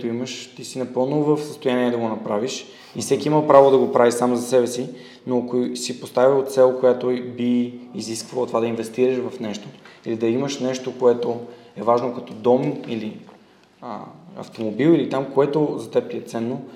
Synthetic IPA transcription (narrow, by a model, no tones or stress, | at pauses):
t̪oiməʃt̪isinɐpɤlˠnovəfsə̥st̪ojaniɛd̪ɐɡonɐpɾaviʃ | ifsɛkʲiimɐpɾavod̪ɐɡopɾavisamozɐsɛbɛsi | nokosipost̪avʲiot̪sɛlˠkojat̪obiːziskvɐlˠət̪ovad̪ɐinvɛst̪iɾəʃvɐfnɛʃt̪oilid̪ɐiməʃnɛʃt̪okoɛt̪o | ɛvaʒnokɐt̪ɔd̪ɔmili | ə̰ɐ̰ft̪omobilˠilit̪amkoɛt̪ozɐt̪ɛp̚t̪iɛt̪sɛnːo